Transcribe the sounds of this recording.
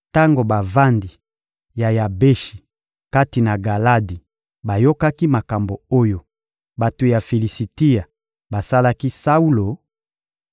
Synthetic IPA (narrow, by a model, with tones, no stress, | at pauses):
ta˦ŋɡo˨ba˨va˦ndi˨ | ja˨ja˨be˦ʃi˨ | ka˦ti˨na˨ɡa˨la˦di˨ | ba˨jo˦ka˦ki˦ma˨ka˨mbo˨o˦jo˦ | ba˨to˨ja˨fi˨li˨si˨ti˦a˨ | ba˨sa˦la˦ki˦sa˦u˦lo˨